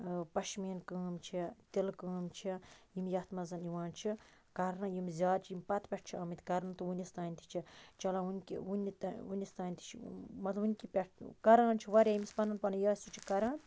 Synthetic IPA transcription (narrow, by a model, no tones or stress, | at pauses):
pɐʃmiːnkəːmt͡ʃʰit̪ilkəːmt͡ʃʰijimjɐht̪mɐzɐniʋãːnt͡ʃʰikɐɾnɐjimzʲaːd̪̚t͡ʃʰijimʲpɐt̪pʲɛʈ̚ʰt͡ʃʰiɐːmit̪ʰʲkɐɾnɐt̪uunʲist̪aːnʲt̪ʰi̥t͡ʃʰit͡ʃɐlãunʲkḭunʲit̪unʲist̪aːnʲt̪ʰi̥t͡ʃʰimɐt̪lɐbunʲkipʲɛʈʰkɐɾãːnʲt͡ʃʰiʋɐɾʲaːjimispɐnɐnpɐnɐjaːsʲut͡ʃʰikɐɾãːn